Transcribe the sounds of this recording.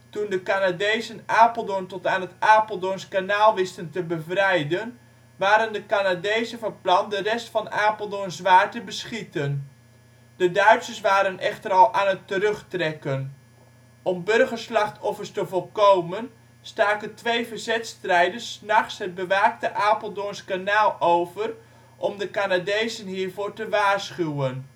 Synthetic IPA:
tundəkanadejzənaːpəlˠdontɔtaːnɦətaːpəlˠdonskanaːlˠʋɪstəntəbəvrɛjdən | ʋaːɾəndəkanadejzəvɑrplɑndərɛstfɑnaːpəlˠdoənzʋaːɹtəbəsχitən | d̥ədœɥtsəsʋaːɾənʔɛxtəɾɑlˠʔaːnətərøχtrɛkən | ɔmbɵrχəɹslɑχtʰɔfərstəvɔlˠkowmən | staːkəntʋejvəzɛtstrɛjdəsnɑχsɦəd̚bəʋaːk̚təʔaːpəlˠdonskanaːlˠowvər | ʔɔmdəkanadejzənɦiːɹvoːɹtəʋaːɹsχywən

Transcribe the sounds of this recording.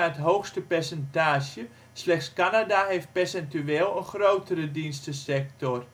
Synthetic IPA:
ətɦowxstəpɛrsɛntaːʒjə | slɛxtskanadaɦejft̚pɛrsɛntyeːlˠənxrowtəɾədinstəsɛk̚tɔr

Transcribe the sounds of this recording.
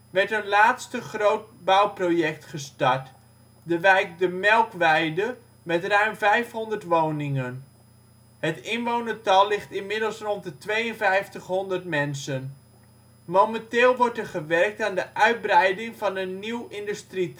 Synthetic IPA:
ʋɛɹtənlaːtstəχrowt̚bʌwprowjɛk̚tχəstɑɹt | dəʋɛjk̚dəmɛlˠkʋɛjdə | mɛtrœɥmvɛjfɦɔndərtʋownɪŋən | hətɪnʋownətɑlˠːɪχtɪnmɪdəlˠsrɔntdətʋejənvɛjftəχɦɔndərtmɛnsən | mowmɛntɪːlˠʋɔɹtɛɹχəʋɛrk̚taːndəʔœɥd̚brɛjdɪŋvɑnənːiwɪndystri

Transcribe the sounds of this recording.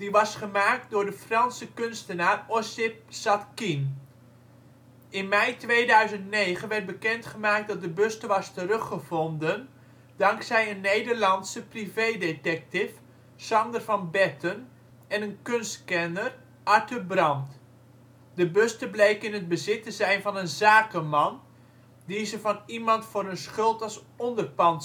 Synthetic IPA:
d̥iʋɑsχəmaːk̚t̚dʊːɹdəfrɑnsəkʏnstənaːrɔsɪp̚sɑtkin | ɪnmɛjtʋejdœɥzəntnejχənʋɛrt̚bəkɛntχəmaːk̚t̚dɑt̚dəbøstəʋɑstərɵχəvɔndən | dɑŋksɛjənːejdərlɑntsəprivejdetɛk̚tɪf | sɑndərvɑnbɛtən | ɛnənkɵnstkɛnər | ʔɑɹtəbrɑnt | dəbøstəblejkɪnəd̚bəzɪtəzɛjnvɑnənzaːkəmɑn | dizəvɑnimɑntfʊːɾənsχɵlˠtɑlˠs | ɔndərpɑn

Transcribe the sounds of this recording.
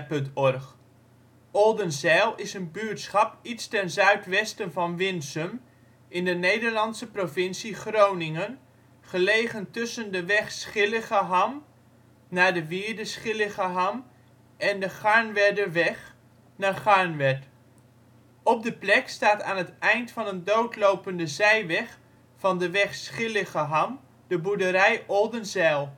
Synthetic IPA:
pɵntɔrχ | ɔlˠdənzɛːlˠɪsənbyːɹtsχɑpitstɛnzœɥtʋɛstənvɑnʋɪnsəm | ɪndənejdəɹlɑnsəprovɪnsiχrownɪŋən | χəlejχəntɵsəndəʋɛχsχɪləχaɦam | naːɹdəʋɪːɹdəsχɪləχəɦɑm | ɛndəχɑɹnʋɛdəʋɛχ | naːχɑɹnʋɛt | ɔb̚dəplɛkstaːtaːnɦətɛjntfɑnəndowtlowpəndəzɛjʋɛχ | fɑndəʋɛχsχɪləχəɦɑm | dəbudəɾɛjʔɔlˠdənzɛlˠ

